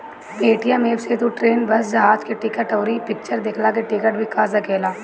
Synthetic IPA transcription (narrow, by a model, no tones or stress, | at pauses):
beːʈijãmeːbseːt̪uʈɾeːnbɐsd͡ʒɐɦaːd͡ʒkeʈɪkəʈoːɾipɪk̚t͡ʃəɾd̪eːkʰlakeʈɪkəʈbʱikaːzɐkeːlaː